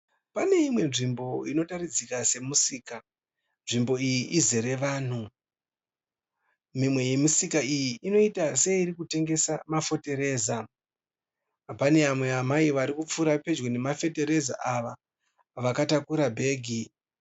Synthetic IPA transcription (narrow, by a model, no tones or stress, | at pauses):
pane̞imwe̞nʐimbo̞ino̞tarid͡zikase̞musiːka | nʐimbo̞ijiʔizeɾe̞ʋaːn̤u | mimwe̞je̞misikaijiino̞itase̞iɾikute̞ŋɡe̞samafo̞te̞ɾe̞ːza | pane̞amwe̞amaiʋaɾikup͡fuɾape̞d͡ʒwone̞mafe̞te̞ɾe̞za̰ʔaʋa | ʋakatakuɾabʱe̞ːɡʱi